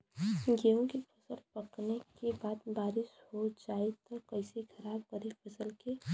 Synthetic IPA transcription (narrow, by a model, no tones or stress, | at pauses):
ɡeːõkepʰɐsəlpəknekebaːt̪baːɾɪʃhod͡ʒaːet̪ɔkɐɪsekʰɐɾaːb̚kəɾipʰəsəlke